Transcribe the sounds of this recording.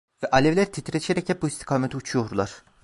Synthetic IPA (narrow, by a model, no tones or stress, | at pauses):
vɛʔalʲevlʲæɾit̪ʰit̪ʰɾet͡ʃʰieɾɛchɛp̚buist̪ʰi̥kʰaːmet̪iut͡ʃʰujo̞ɾlˠaɾ̥